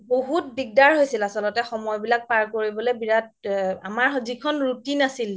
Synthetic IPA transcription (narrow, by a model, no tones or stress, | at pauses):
boɦutbiɡ̚daɹɦojsilasɔlɔtɛxɔmɔjbilak̚paɹkoɹibɔlebiɹat̚a̰maɹzikʰɔnɹutinasil